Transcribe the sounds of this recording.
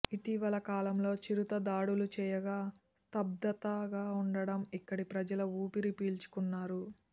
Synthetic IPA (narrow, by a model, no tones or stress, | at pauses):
iʈiʋɐlɐkaːlɐmlo̞ːt͡ʃiɾut̪ɐd̪aːɽulut͡ʃɛːjɐɡaː | st̪ɐb̚d̪ɐt̪ɐɡaːuɳɖɐɽɐmikːɐɽipɾɐd͡ʒɐlɐuːpiɾipiːlt͡ʃu̥kunːaːɾu